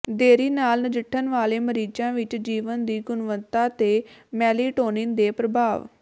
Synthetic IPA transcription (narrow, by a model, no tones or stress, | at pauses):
d̪eːɾiːnaːlnəd͡ʒɪʈʰːənʋaːleːməɾiːd͡ʒãːʋɪt͡ʃd͡ʒiːʋənd̪iːɡʊnʋənt̪aːt̪eːmɛːliːʈoːnɪnd̪eːpɾəbʱaːʋ